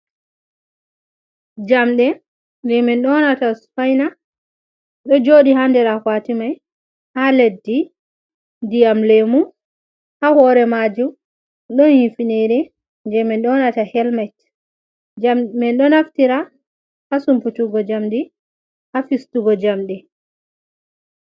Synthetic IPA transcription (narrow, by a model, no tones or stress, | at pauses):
d͡ʒamɗɛ | nd͡ʒɛmɛnɗɔnatasfajna | ɗɔd͡ʒoɗihandɛɾakwatimaj | haledːi | dijamlemu | hahɔɾɛmad͡ʒum | ɗɔnhifineɾɛ | nd͡ʒɛmɛnɗɔnatahɛlmat | mɛnɗɔnaftiɾa | hasumputuɡɔd͡ʒamɗi | hafistuɡɔd͡ʒamɗɛ